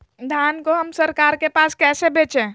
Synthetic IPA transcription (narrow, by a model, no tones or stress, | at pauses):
d̪ʱaːnkoɦəmsəɾkaːɾkepaːskɛːsebeːt͡ʃẽː